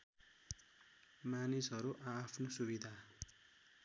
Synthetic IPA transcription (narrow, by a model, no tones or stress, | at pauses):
manisɦʌɾuʔapʰnosubid̪ʱa